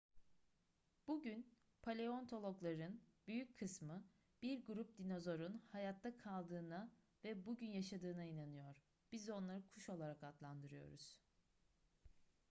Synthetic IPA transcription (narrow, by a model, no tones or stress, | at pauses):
b̥uɟyn | pʰalʲe̞o̞nt̪ʰo̞lˠo̞klˠaɾɯnb̥yjyckʰːɯsmɯ | b̥iɾɡuɾup̚d̪ino̞zo̞ɾunhajat̪ʰːakʰalˠd̪ɯːna | vɛbuɟynjaʃad̪ɯːnainanɯjo̞ɾ̥ | b̥izo̞nlˠaɾɯkʰuʃo̞lˠaɾakat̪lˠand̪ɯɾɯjo̞̰ɾuz̥